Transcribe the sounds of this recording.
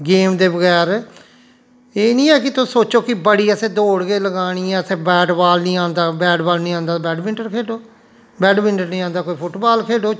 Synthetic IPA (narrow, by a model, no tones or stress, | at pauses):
ɡeːmd̪eːbəɡɛːɾ | eːnĩːɛːkɪt̪ʊsoːt͡ʃoːkɪbəɽiːɛsẽːd̪oːɽɡeːləɡaːɽ̃iːɛ̃ːəsẽːbɛːɖbaːlnĩːãːnd̪aːbɛːɖbaːlnĩːãːnd̪aːbɛːɖmɪ̃ɳʈəɾkʰeːɖoː | bɛːɖmɪ̃ɳʈəɾnĩːãːnd̪aːkoːiːpʰʊʈbaːlkʰeːɖoː